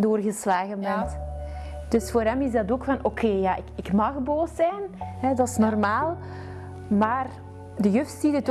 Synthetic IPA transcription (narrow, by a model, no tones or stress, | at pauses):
doːrɣəslaːɣənmɛt | d̥ɵsfoːɾɦɛmɪzdɑtoːkfɑnʔokʰeːjaːʔɪkɪkmɑxboːsɛjnɦɛdɑsnɔrmaːlˠ | maːr | dəjøfsidət